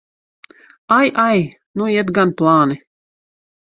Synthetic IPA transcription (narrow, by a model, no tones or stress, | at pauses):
ajʔaj | nujɛt̪ɡanplˠɑːni